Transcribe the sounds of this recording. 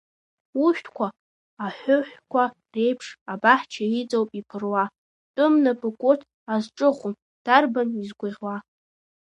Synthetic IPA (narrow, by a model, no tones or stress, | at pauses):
uʃᶣtʰkʷʰaː | ħʷʊħʷᶣkʷʰa | re̞jpʰʂabaħt͡ʃʰait͡sʼowpʼipʰɨrwa | tʼʊmnapʼɨkʷʼotʰ | azʈ͡ʂʼɨχʷʊm | d̥arbanizɡʷʊʁʲwa